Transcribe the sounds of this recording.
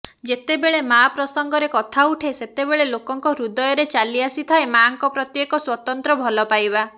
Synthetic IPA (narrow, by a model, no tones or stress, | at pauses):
d͡ʒet̪ebeɭemapɾɔsɔŋɡɔɾekɔt̪ʰauʈʰeset̪ebeɭelokɔŋkɔɾud̪ɔjɔɾet͡ʃaliasit̪ʰaemaŋkɔpɾɔt̪jekɔswɔt̪ɔnt̪ɾɔbʱɔlɔpajba